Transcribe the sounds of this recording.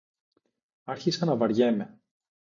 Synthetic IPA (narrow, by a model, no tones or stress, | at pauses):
ɐɾçisɐnɐvɐɾʝeme̞